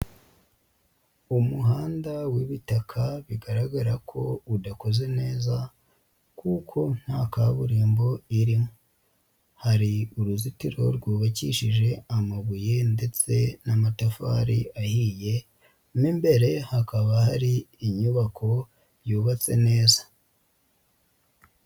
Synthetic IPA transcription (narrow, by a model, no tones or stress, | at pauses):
umuɦaːndawiβitakʰaβiɡaɾaɡaɾakʰo̞udako̞ze̞ne̞ːza | kʰukʰo̞n̥haːkaβuɾiːmbo̞iɾimo | haɾiuɾuzitiɾo̞̰ɾɡwuːβaciʃiʒe̞amaβuje̞nde̞t͡se̞namatafa̰ɾiʔahije̞ | mimbe̞ɾe̞hakaβahaɾiːɲuβakʰo̞ | juːβat͡se̞̰ne̞ːzḁ